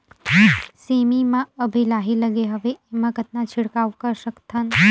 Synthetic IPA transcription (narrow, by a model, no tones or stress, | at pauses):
semimãəbʱilaɦiləɡeɦəʋeːmãɡət̪nat͡ʃʰiɽkaʋkəɾʃəkt̪ʰən